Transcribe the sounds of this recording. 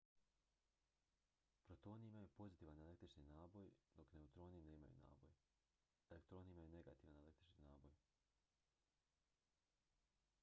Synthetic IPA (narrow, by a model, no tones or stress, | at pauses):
pɾot̪o̞ːniimajupo̞zit̪iːʋanele̞kt̪ɾit͡ʃninaːbo̞jd̪okne̞ut̪ɾo̞ːnine̞ːma̰jṵna̰ːbo̰j | elek̚t̪ɾo̞ːniimajuneɡa̰t̪iːʋanele̞kt̪ɾit͡ʃninaːbo̰j